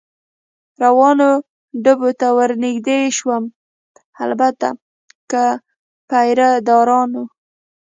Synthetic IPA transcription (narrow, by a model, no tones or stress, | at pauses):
ɾawɑno | ɖəbot̪awəɾnɪɡd̪eʃwəm | a̰lbat̪a̰ | kə | pajɾad̪ɑɾɑno